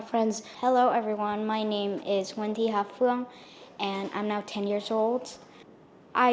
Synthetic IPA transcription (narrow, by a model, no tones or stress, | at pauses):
fɹɛ̃ndz̥hɛloʊʔɛvɹiwʌ̃nmaɪnẽɪ̃mɪzwɛ̃ntiɦafuə̃ŋ | ʔɨ̃nã̰ɪ̃mnaʊtʰɛ̃njɪɹzoʊlˠd̥ | ʔaɪ